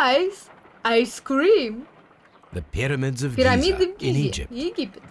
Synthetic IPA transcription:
js | askɹim | ðəpʰɪɹəmɪdzəvpiɾamid̪ɪ̃nid͡ʒɪ̰p̚id͡ʒipt

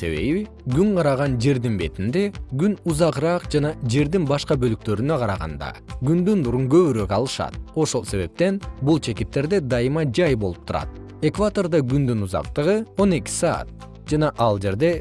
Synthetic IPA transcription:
se̞̰βe̞̰βi | ɡyŋqʰɑɾɑʁɑnd͡ʒe̞ɾd̪inbe̞t̪ind̪e̞ɡynuzɑqɾɑːqd͡ʒɑnɑd͡ʒe̞ɾd̪inbɑʃqɑbø̞lyk̚t̪ø̞ɾynøqʰɑɾɑʁɑ̰nd̪ɑ̰ɡynd̪ynd̪uɾuŋɡø̞βyɾøkɑlˠɯʃɑ̰t̪̚o̞ʃo̞lˠse̞βe̞p̚t̪e̞nbulˠt͡ʃʰe̞kit̪̚ːe̞ɾd̪e̞d̪ɑjɯmɑd͡ʒɑjbo̞lˠup̚t̪uɾɑ̰t̪̚ | e̞kvat̪o̞rd̪ɑɡynd̪ynuzɑ̰qt̪ɯʁɯo̞ne̞kʲi̥sɑ̰ːt̪̚ | d͡ʒɑnɑʔɑlˠd͡ʒe̞ɾd̪e̞

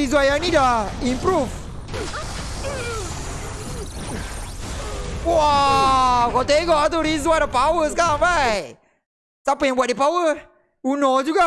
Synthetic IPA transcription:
izwajaŋnĩdaimpɾuf | wa | kɔt̪eɡɔʔat̪̬awɾizwadapawəskaŋbaj | sapajaŋbuaʔ̚dipawə | unɔd͡ʒuɡa

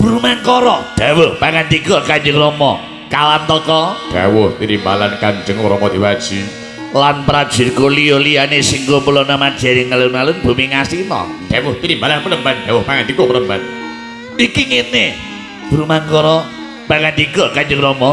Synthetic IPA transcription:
b̥uɾumaŋkɔɾɔd̪̥awʊhpaŋant̪iɡɔkaɲd͡ʒəŋɾɔmɔ | kalant̪ɔkɔd̥a̰wʊht̪iɾimbalankaɲd͡ʒəŋɾɔmɔd̪̥iwad̥ʒ̥i | lanpəɾad̥ʒ̥i̤rkolijɔlijanesiŋkopulɔnamad̥ʒ̥a̤nɪŋalʊnmalʊnb̥umiŋasinɔ̰d̥awʊht̪iɾimbalanpəɾəmband̥awʊhpaŋant̪ikɔpəɾəmba̰n | ikiŋene | b̥uɾumaŋkɔɾɔ | paŋant̪iɡɔkaɲd͡ʒəŋɾɔmɔ

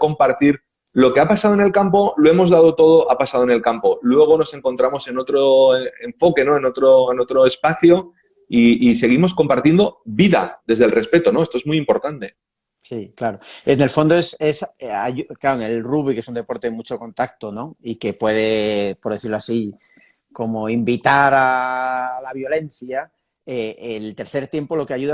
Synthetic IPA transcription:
ko̞mpaɾt̪iɾ | lo̞ke̞apasað̞oe̞ne̞lkampo̞lo̞emo̞zðað̞o̞t̪o̞ð̞o̞ʔapasað̞oe̞ne̞lkampo̞lwe̞ɣ̞o̞no̞se̞ŋko̞nt̪ɾamo̞se̞no̞t̪ɾoeɱfo̞ke̞no̞eno̞t̪ɾoeno̞t̪ɾo̞e̞spaθjo | iise̞ɣ̞imo̞sko̞mpaɾt̪je̞nd̪o̞βiða̰d̪ðe̞zðelre̞spe̞t̪o̞no̞est̪oezmuijimpo̞ɾt̪ant̪e̞ | siklaɾo̞ene̞lfo̞nd̪oe̞sesa̰ʝuklaɾoeŋe̞lruβ̞ike̞sund̪e̞po̞ɾt̪e̞ðemut͡ʃo̞ko̞nt̪ak̚t̪ono̞ike̞pwe̞ð̞e̞poɾðe̞θiɾloasi | ko̞mo̞imbit̪aɾa | laβ̞jo̞le̞n̟θja | eelt̪e̞ɾθe̞ɾt̪je̞mpo̞lo̞keaʝuða

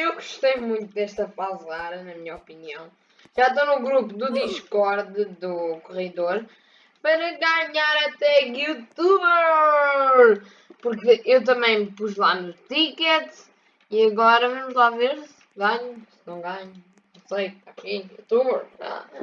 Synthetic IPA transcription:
ewɣuʃt̪ejmũj̃t̪ud̪ɛʃt̪ɐfazaɾɐnɐmiɲɐɔpiniɐ̰̃w̃ | ʒ̥aʃt̪onuɣɾupud̪uðiʃkɔɾðɨðukuʁiðoɾ | pɐɾɐɣaɲaɾɐt̪ɛɣut̪uβɛɾ | puɾkewt̪̬ɐmɐ̃j̃mpuʒlˠanut̪ikɛt̪ | iɐɣɔɾɐvɐmuʒlˠaveɾz | ɡaɲusɨnɐ̃w̃ɡaɲunɐ̃w̃sɐjt̪akijut̪uβɛɾa̰

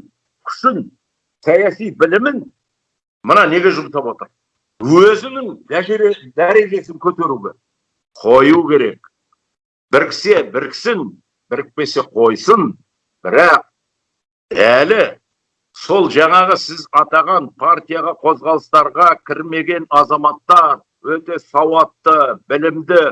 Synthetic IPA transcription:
kʲʰʏ̥ʃɪn | sɑjɑsijbɪlɪmɪn | mənɑne̞ɡʲe̞ʒʊmt̪ɑpwo̞t̪əɾ | wɵzɪnɪŋd̪æʒeɾet̪ɪnd̪æɾe̞ʒe̞sɪŋkʲʰɵt̪e̞ɾuɡʲe | qʰo̞jukʲʰe̞ɾe̞k̚ | b̥ɪɾkʲʰɪ̥se̞bɪɾkʲʰɪ̥sɪn | bɪɾɪk̚pe̞se̞qʰo̞jsən | b̥ɪɾɑq̚ | ælɪ | so̞lˠʒɑɴɑʁəsɪzɑt̪ɑʁɑnpʰaɾt̪ʲijɑʁɑqʰo̞zʁɑlˠəst̪ɑɾʁɑkʲʰɪɾme̞ɡʲe̞nɑzɑmɑt̪ːɑɾ | wɵt̪e̞sɑwɑt̪ːəbɪlɪmd̪ɪ

